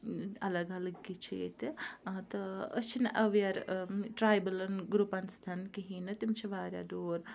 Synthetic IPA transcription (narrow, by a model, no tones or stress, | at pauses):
ɐlɐɡɐləɡkːit͡ʃʰiːt̪t̪ɨət͡ʃʰinʔɐʋejɐɾʈɾaːjbəlɐnɡɾupɐnst̪ʰɐnkiɦiːnɐt̪imt͡ʃʰɐʋaːɾja̰d̪oːɾ